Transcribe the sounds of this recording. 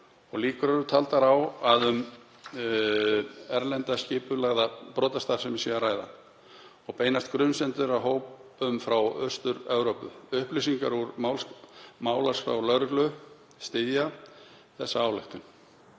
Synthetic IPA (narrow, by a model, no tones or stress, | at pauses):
ɔɣliːkʏɾɛɾʏt̪ʰalt̪aɾawaðʏm | ɛɾlɛnt̪ascɪːpʏlaɣðapɾɔːt̪ast̪aɾ̥sɛmɪsiɣaraːjða̰ | ɔɣpeːjnast̪kɾʏnsɛnt̪ʏɾaɦoːwpʏmfɾawœst̪ʏɾɛvɾowpʏʏhplisiŋkaɾuɾmawlmaːwlasfɾa̰wlœɣɾʏklʏ | st̪ɪðja | θɛsːaaːwlɛxt̪ʏn